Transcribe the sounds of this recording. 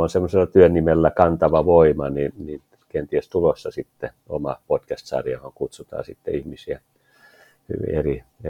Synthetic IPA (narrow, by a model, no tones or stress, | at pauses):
onsemːoselːɑt̪yønːimelːækɑnt̪ɑʋɑʋoimɑnini | kent̪iest̪ulosːɑsit̪ːe | omɑpot̪kæst̪sɑ̰ːriɑhoŋkut̪sut̪ɑ̰ːsit̪ːḛihmisiæ | hy̰ʋḭerie